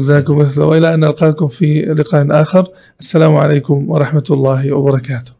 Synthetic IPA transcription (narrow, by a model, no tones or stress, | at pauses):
zaːkʊmːɪθlawʔɪlːaʔanʔalqɑːkʊmfilɪqaːʔnʔaːxɪɾˤ | ʔasːalaːmʕa̰leːkʊmwɑ̰ɾˤɑħmat̪lˤːɑːhwɑ̰bɑɾˤɑkaːt̪ʊ̥h